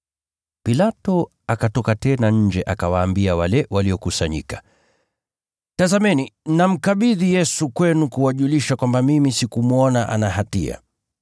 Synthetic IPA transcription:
pilatɔ | akatɔkatɛnaɲ̩d͡ʒɛʔakawaːmbiawalɛwaliɔkusaɲḭkḁ | tazamɛninam̩kaɓiðijɛsukwɛnukuwaʄuliʃakwambamimisikumuɔnaʔa̰naɦatḭa̰

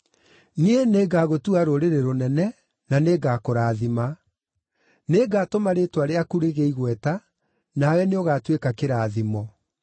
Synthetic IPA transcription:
nieneːɡaɣotuaɾoɾeɾeɾonɛnɛ | naneːɡakoɾaːðima | neɡaːtomaɾetwaɾeakuɾeɣeiɣwɛta | nawɛneoɣaːtwekakeɾaːðimɔ

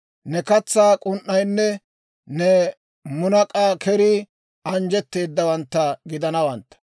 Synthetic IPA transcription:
nɛkɐt͡sːaːkʼʊnʔːɐjnːɛ | nɛ | mʊnɐkʼaːkʰɛɾɪ | ɐnd͡ʒɛt̪ːe̞ːd̪ːɐwɐnt̪ːɐɡɪd̪ɐnɐwɐnt̪ːɐ̥

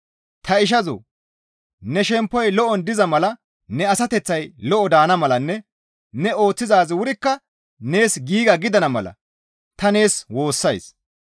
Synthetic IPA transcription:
t̪ɐɪʃ̬ɐzo̰ː | nɛʃɛmpːɔjlɔʔɔnd̪ɪzɐmɐlɐ | nɛɐsɐt̪ɛt͡sːɐjlɔʔɔd̪aːnɐmɐlɐnːɛ | nɛo̞ːt͡sːɪzaːzwʊɾɪkːɐ | ne̞ːsɡiːɡɐɡɪd̪ɐnɐmɐlɐ̰ | t̪ɐne̞ːswo̞ːsːɐjs

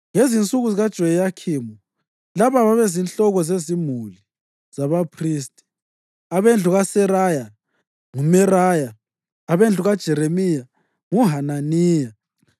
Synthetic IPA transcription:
ŋezint͡sʼuɣuziɣad̥ʒ̥ʱɔjɛjakʰimɔ | laβaβaβezinɬɔɣɔzezimuli | z̥aβapʰriːstʼi̥ | aβend͡ɮʱuɣasɛɾaja | ŋumɛɾajaː | βend͡ɮʱuɣad̥ʒ̥ʱɛɾemija | ŋuɦananiːja

